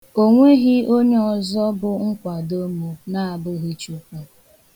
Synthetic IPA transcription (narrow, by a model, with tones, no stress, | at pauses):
o˦ŋʷe˦ɣi˦o˦ɲe˦ɔ˨zɔ˦bʊ˦ŋ̩˦kʷa˨do˦mu˨na˦a˨bʊ˦ɣi˦t͡ʃu˦ka˨